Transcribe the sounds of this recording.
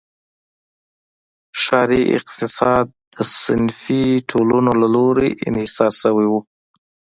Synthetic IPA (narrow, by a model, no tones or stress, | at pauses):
ʃɑɾiʔɪ̰qt̪ɪsɑd̪̚ːəsɪ̰nfiʈʰolunolaloɾeʔɪ̰nhɪsɑɾsəwiwu